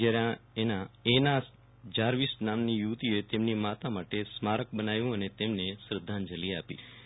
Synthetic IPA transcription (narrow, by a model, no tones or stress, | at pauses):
d͡ʒaɾjãenãenas | d͡ʒaɾʋisnamnijuʋt̪iet̪emnimat̪amaʈesmaɾək̚bənajũənet̪emnesɾəd̪ʱːand͡ʒəlia̰pḭ